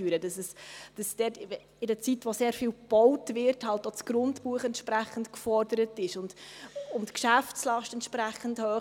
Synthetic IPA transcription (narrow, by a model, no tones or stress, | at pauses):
yːɾəd̥ɑsɛsd̥ɑsd̥ɛt | ɪdət͡sitʋoseːɾfiːlb̥ɔwtvɪɾthɑltosɡ̥rʊntpuːəχɛntʃpɾæχəntkfɔɾdəɾətɪʃʊndʊmtkʃæft͡slɑʃtɛntʃpræχən̩dhøː